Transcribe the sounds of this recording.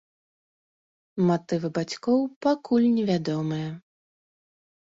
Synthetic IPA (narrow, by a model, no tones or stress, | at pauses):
mat̪ɨvɨbat͡sʲkɔwpakulʲnʲɛvʲad̪ɔmɨjɐ